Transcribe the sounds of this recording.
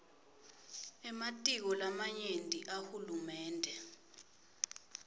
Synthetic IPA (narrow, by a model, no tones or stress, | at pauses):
ɛmatʼik̬ɔlamaɲentʼiʔahulumɛːndʱɛ